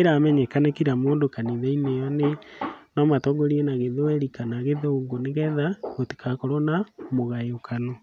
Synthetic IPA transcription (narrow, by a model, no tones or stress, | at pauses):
eɾamɛɲɛkanɛkiɾamoːndokaniðeinejɔnenɔmatɔŋɡɔɾienaɣeðewɛɾikanaɣeðeoŋɡoneɣɛðaɣoti̥kʰakɔɾonamoɣaeokʰano